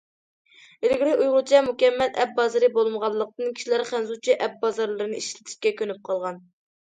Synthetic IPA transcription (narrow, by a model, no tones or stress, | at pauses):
elɪɡʲliujʁʊt͡ʃʰɛmukʲɛmːɛlʔɛp̚bɑzɨɾɨbolˠməʁɑlˠːəq̚t̪ɨnkʲʰi̥ʃilæɾχænzut͡ʃʰiʔɛp̚bɑzɑɾlˠɨɾɨnɨiʃlɪt̪ʰɪ̥ʃkʲɛkʲʰønyp̚qʰɑlˠʁɑn